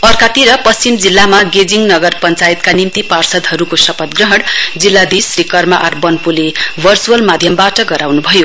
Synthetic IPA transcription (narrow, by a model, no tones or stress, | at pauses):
ʌrkat̪iɾʌpʌst͡simd͡zilːamaɡed͡ziŋnʌɡʌrpʌnt͡sajit̪kanimt̪iparsʌd̪ɦʌɾukosʌpʌt̪ɡrʌɦʌɽd͡zilːad̪isrikʌrmaʔarbʌnpulebʱʌrt͡suʌlmad̪ʱjʌmbaʈʌɡʌɾawnubʱʌjo